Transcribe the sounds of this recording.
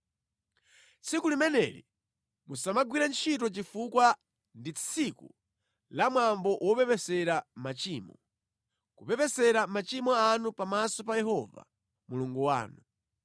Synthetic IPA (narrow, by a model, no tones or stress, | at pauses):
t͡sʰikulimɛnɛ̰ɾḭ | musamaɡwiɾant͡ʃʰit̬ɔt͡ʃifukwa | ndit͡sʰikṵ | lamwambɔʔwʔɔpɛpɛsɛɾamat͡ʃiːmɔ̰ | kupɛpɛsɛɾamat͡ʃimɔanupamasɔpajɛhɔva̰ | muluŋɡuwa̰ːnu